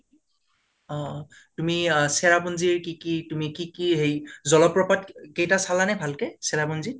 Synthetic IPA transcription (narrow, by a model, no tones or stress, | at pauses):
ɔ | tumisɛɹabunziɹkikitumikikiɦejzɔlɔpːɹɔpatkejtasalanɛbʱalkɛsɛɹabunzi